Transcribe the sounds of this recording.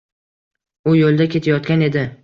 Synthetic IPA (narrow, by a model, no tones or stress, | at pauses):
ʊjolˠd̪akʲʰe̞t̪ʰajɒt̪kʲane̞d̪ɪ